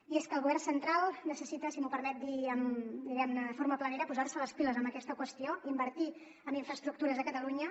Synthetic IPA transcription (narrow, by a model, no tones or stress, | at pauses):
ieskəlˠɣuβɛrnsənt̪ɾalˠnəsəsit̪əsimupəɾmɛt̪̚d̪iəmd̪iɣɛmnəðfoɾməpləneɾəpuzarsələspiləzəmbəkɛst̪əkwəst̪ioimbəɾt̪i | əmbiɱfɾəst̪ɾuk̚t̪uɾəzəkət̪əluɲə